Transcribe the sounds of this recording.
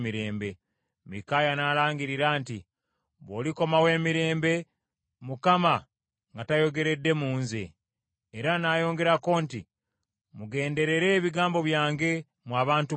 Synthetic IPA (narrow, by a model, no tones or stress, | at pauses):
miɾe̞ːmbe̞ | mḭkaːjanaːlaːŋɡiɾiɾaːnti | βoːliko̞mawe̞ːmiɾe̞ːmbe̞ | mukama | ŋɡatajo̞ɡe̞ɾe̞dːe̞muːnzḛː | ɾanaːjo̞ːŋɡe̞ɾako̞ːnti | muɡe̞ːnde̞ɾe̞ɾe̞ːβiɡaːmbo̞βjaːŋɡe̞ | mwaːβaːntu